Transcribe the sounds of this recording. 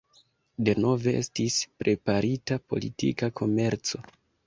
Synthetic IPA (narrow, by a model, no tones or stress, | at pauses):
de̞no̞ve̞ʔe̞stispɾe̞paɾitapo̞̰lḭtḭkakʰo̞me̞ɾt͡so̞